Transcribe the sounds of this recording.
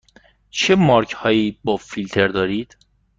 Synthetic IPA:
t͡ʃʰemɒːɾcʰhɒːjiːbɒːfilt̪ʰe̞ɾd̪ɒːɾiːd̪̥

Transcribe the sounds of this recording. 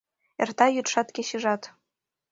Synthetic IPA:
ert̪ɑjyt̪ʃɑt̪kʲeɕɘʒɑt̪

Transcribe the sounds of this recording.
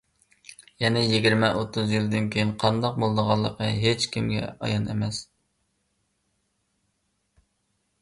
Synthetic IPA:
jɛnɛjiɡʲiɾmɛʔot̪ʰːuzjild̪ɨnkʲʰejinqʰɑnd̪ɑq̚bolˠd̪əʁɑlˠːəqəɦet͡ʃkʲimɡʲɛ̰ɑ̰jɑnḛmɛs

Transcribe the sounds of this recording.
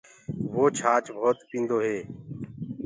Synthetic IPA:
ʋoːt͡ʃʰaːt͡ʃbʱoːt̪pĩːnd̪oːɦeː

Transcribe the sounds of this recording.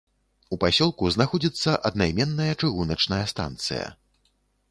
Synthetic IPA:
upasʲɔlˠkuznaxɔd͡zʲit̪sːɐʔɐd̪̚najmʲɛnːɐjɐt͡ʂɨɣunɐt͡ʂnɐjɐst̪a̰nt̪sɨ̰jɐ̰

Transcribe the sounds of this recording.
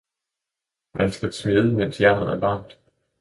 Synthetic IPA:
mænsɡ̥æsmeðˠəmen̰sjæɐnəð̩ˠæɐʋɑ̈ŋ̰d̥

